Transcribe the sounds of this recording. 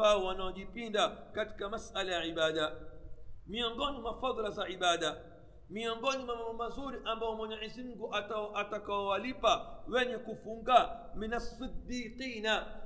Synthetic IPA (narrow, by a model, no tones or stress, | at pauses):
aɔwanaɔʄipindakati̥kamasalajaʕiɓaɗa | miɔŋɡɔnimwafaðˤlazaʕiɓaɗa | miɔŋɡɔnimamambɔmazuɾiʔambaɔmwɔɲɛʔizim̩ɡuʔatʔatakaɔwalipawɛɲɛkufuŋɡa | minasɨd̪ːiːqiːna